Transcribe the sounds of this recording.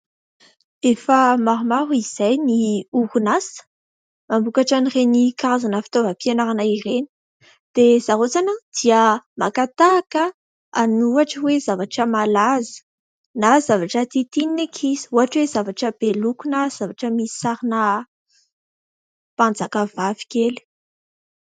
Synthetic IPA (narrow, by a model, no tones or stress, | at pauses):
efəmaɾumaɾuiz̥ajniukunasə̥ | mambukaʈ͡ʂanirenikaɾazanəfi̥t̪ovəpianaɾanaireni̥ | d̪̥ez̥aɦot͡sanəd̪̥iəmakat̪aːkə | anuaʈ͡ʂəwezavaʈ͡ʂəmalazə̥ | nazavaʈ͡ʂət̪it̪ininekʰizi̥uaʈ͡ʂwezavaʈ͡ʂəb̥elukunaz̥avaʈ͡ʂəmii̥saɾinə | pand͡zakavavi̥keli̥